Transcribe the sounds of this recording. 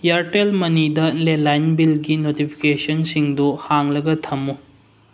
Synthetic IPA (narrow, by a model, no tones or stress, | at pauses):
jɐɾʈelmɐnidɐlelajnbilɡinotipʰi̥kesɐnsiŋduhaŋlɐɡɐtʰɐmu